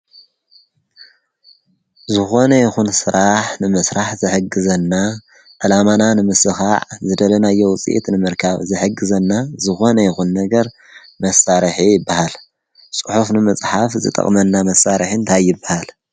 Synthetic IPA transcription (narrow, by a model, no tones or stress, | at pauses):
zɨxo̞nɐjɪxunsɨɾaħnɨmɨsɾaħzɨħɨɡɨzɐnːa | ʕɨlamananɨmɨsɨxaʕzɨd̪ɐlɐnajːowʊt͡sʼḭʔḭt̪nɨmɨɾkʰaβzɨħɨɡɨzɐnːazɨxo̞nɐjɪxunːɐɡɐɾ | mɐsaɾħijɪbːahal | sʼɨħufnɨmɨt͡sʼħafzɨ̰t̪ʼɐ̰χʼmɐnːamɐsaɾɨħɨnt̪ʰajːɪbːahal